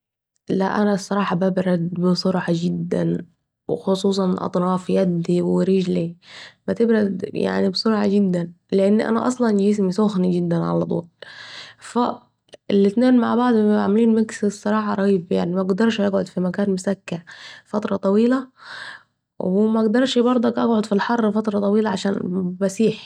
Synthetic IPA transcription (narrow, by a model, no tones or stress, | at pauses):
læ̰ʔænæsˤːɑɾˤɑːħɑbæbɾæd̪besˤoɾħɑɡɪd̪ːæ̰n | wexosˤuːs̬ˤɑnʔɑ̰t̪ˤɾɑːfjæd̪ːiweɾiʒlimæt̪ɪbɾæd̪ja̰ʕnibsˤoɾˤħɑɡɪd̪ːæn | leʔenːʔæ̰næ̰ʔɑ̰sˤlɑnd͡ʒɪs̬misoxniɡɪd̪ːænʕa̰læt̪ˤṵːl | fæ | lːɪt̪neːnma̰ʕbɑʕd̪ˤaʕmæliːnmɪkssˤːɑɾˤɑːħɑɾˤɑɣiːbja̰ʕnimæʔɡd̪ɑɾˤʃʔaɡʕod̪fimækæːnmʊsækːaʕfɑt̪ɾˤɑt̪ˤɑwiːlæ | wɪmæʔɡd̪ɑɾˤʃbɑɾˤd̪ˤɑkʔæɡʕod̪filħɑrˤːfɑt̪ɾˤɑt̪ˤɑwiːlæʕaʃæːnmæsiːħ